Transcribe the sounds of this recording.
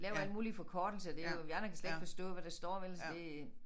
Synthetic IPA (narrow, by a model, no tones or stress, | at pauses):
lɛːʊɐæl̰d̥muːlifɒ̽kʰɒːd̥l̩səd̥eojæɐnɐkʰæsled̥fɒ̽sd̥ɔ̰̽ːʋæɾ̥ɑsd̥ɒ̰ːʋelse̝